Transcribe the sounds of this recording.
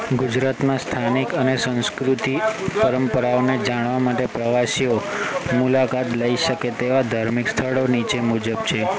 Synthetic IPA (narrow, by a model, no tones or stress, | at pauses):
ɡud͡ʒɾat̪mãst̪ʰanikənesə̃nskɾut̪ipəɾəmpəɾaoned͡ʒaɽ̃ʋamaʈepɾəʋasio | mulakat̪ləiʃəket̪eʋad̪ʱaɾmikst̪ʰəɭonit͡ʃemud͡ʒəbt͡ʃʰe